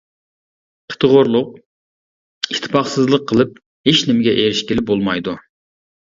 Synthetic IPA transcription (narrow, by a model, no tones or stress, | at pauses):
qʰə̥t̪ʰəʁʊɾlˠʊq̚ | it̪ʰːɪpɑχsɨzlˠəqʰːəlˠɨp̚ | heʃnɪmɪɡʲɛʔeɾɪʃkʲɪlɪp̚bolˠmɑjd̪u